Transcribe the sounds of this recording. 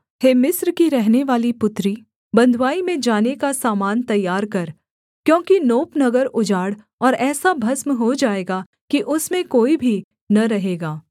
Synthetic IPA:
heːmɪsɾkiɾɛɦneʋaːlipʊt̪ɾi | bɐ̃nd̪ʱwaːimẽd͡ʒaːnekasaːmaːnt̪ɐjːaːɾkɐɾ | kjõːkinoːpnɐɡəɾʊd͡ʒaːɽ | ɔːɾɛːsabʱɐsmɦod͡ʒaːeːɡa | kiʔʊsmẽkoːibʱi | nɐɾɐɦeːɡaː

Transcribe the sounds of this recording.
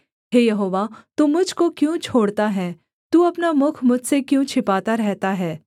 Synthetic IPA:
ɦeːjɐɦoːʋat̪umʊd͡ʒʱkokjũt͡ʃʰoːɽt̪aɦɛː | t̪uːɐpnamʊkʰmʊd͡ʒʱsekjũt͡ʃʰɪpaːt̪aɾɛɦt̪aɦɛː

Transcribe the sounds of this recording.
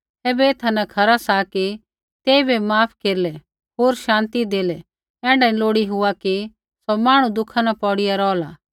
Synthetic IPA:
eːbɛeːt̪ʰanɛkʰɐɾasaki | t̪eːibɛmaːpʰkeːɾlɛ | ɦoːɾʃãːnt̪id̪eːlɛ | ɛ̃ːɖãĩloːɽiɦʊaki | somaːɽ̃ũd̪ʊkʰanapɔːɽɪjaɾɔːlaː

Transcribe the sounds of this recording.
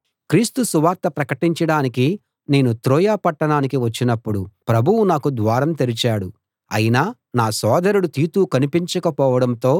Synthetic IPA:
kɾiːst̪usuʋaːɾt̪ːɐpɾɐkɐʈiɲt͡ʃɐɽaːniki | ne̞ːnut̪ɾɔːjaːpɐʈːɐɳaːnikiʋɐt͡ʃːinɐpːuɽupɾɐbʱuwunaːkud̪ʋaːɾɐmt̪elit͡ʃaːɽu | ɐ̰jinaː | naːsɔːd̪ɐɾuɽut̪iːt̪uːkɐnipiɲt͡ʃɐkɐpɔːʋɐɽɐmnt̪o̞ː

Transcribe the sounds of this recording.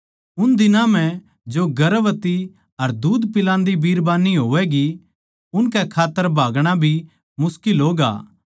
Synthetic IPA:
ʊnd̪ɪnãm̤ɛ̃ | d͡ʒoɡɐɾʋət̪i | ɐɾd̪uːd̪pɪlãːnd̪ibiːɾbaːniɦoːʋɛɡi | ʊnkɛkʰaːt̪ːəɾbʱaːɡɽ̃abʱi | mʊskɪlɦoːɡa̰ː

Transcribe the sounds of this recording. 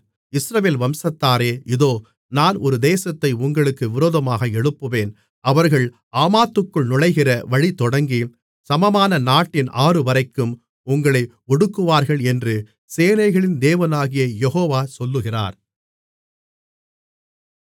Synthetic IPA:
ɪsɾɐʋeːlʋɐmsɐt̪ːaːɾeːɪðoː | naːnɔɾɯd̪eːsɐt̪ːɐɪʊŋɡɐɭɯkːɯʋɪɾoːðɐmaːɣɐɛɽɯpːɯʋeːn | ɐʋɐɾɣɐɭ | aːmaːt̪ːɯkːɯɭnʊɻɐɪɣɪrɐʋɐɻit̪ɔɽɐŋɡi | sɐmɐmaːnɐnaːʈːɪnʔaːrɯʋɐɾɐɪkːɯm | ʊŋɡɐɭɐɪ | ɔɽɯkːɯʋaːɾɣɐɭɛndrɯ | seːnɐɪɣɐɭɪnd̪eːʋɐnaːɣɪjɐjɛɦoːʋaːsɔlːɯɣɪra̰ːɾ

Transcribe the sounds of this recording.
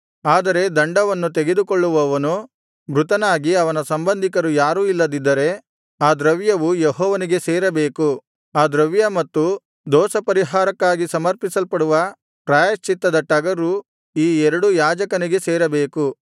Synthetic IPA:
aːd̪ɐɾe̞d̪ɐɳɖɐʋɐnːut̪eɡe̞d̪ukoɭːuʋɐʋɐnu | bɾut̪ɐnaːɡiɐʋɐnɐsɐmbɐnd̪ʱikɐɾujaːɾuːilːɐd̪id̪ːɐɾe̞ | aːd̪ɾɐʋjɐʋujeɦɔːʋɐniɡe̞seːɾɐbeːku | aːd̪ɾɐʋjɐmɐt̪ːu | d̪ɔːsɐpɐɾiɦaːɾɐkːaːɡisɐmɐɾpisɐlpɐɽuʋɐ | pɾaːjɐst͡ʃːit̪ːɐd̪ɐʈɐɡɐɾu | iːɛɾɐɽujaːd͡ʒɐkɐniɡe̞seːɾɐbeːku

